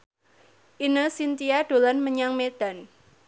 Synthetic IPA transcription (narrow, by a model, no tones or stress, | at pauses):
ʔinəsint̪iaɖ̥o̤lanməɲaŋmed̪̥a̤n